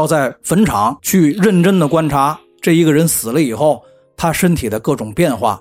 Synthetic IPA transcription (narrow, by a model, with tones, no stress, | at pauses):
ɑ˥˧ʊt͡sa˥˩ɪfə˧˥nʈ͡ʂʰɑ˧˥ŋt͡ɕʰy˥˧ɻə˥˩nʈ͡ʂə˥nd̪ə˨kwa˥nʈ͡ʂʰa˧˥ | ʈ͡ʂɤ˥˩i˧˥ɡə˨ɻə˧˥nsɹ̩˨˩lə˦i˨˩xo˥˩ʊ | t̪ʰa˥ʂə˥nt̪ʰi˨˩d̪ə˦kɤ˥˩ʈ͡ʂʊ˨˩ŋpjɛ˥˧nxwa̰˥˩